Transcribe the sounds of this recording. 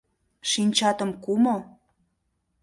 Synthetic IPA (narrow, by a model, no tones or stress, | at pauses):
ʃinʲt͡ɕɑt̪ə̆mkumo